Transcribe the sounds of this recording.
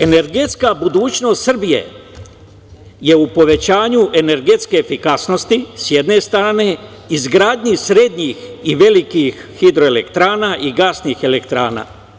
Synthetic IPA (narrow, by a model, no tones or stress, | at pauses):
e̞ne̞ɾɡet̪skabud̪uːt͡ɕno̞ːst̪sr̩bije̞̰ | je̞upo̞ʋe̞t͡ɕaːɲuʔeneɾɡe̞t̪ske̞ːfikasno̞st̪isjed̪ne̞st̪ɾaːne̞ | izɡɾaːd̪ɲisɾe̞d̪ɲixiʋe̞likixːid̪ɾoelḛkt̪ɾaːnaːʔiɡasnixe̞lekt̪ɾaːna̰ː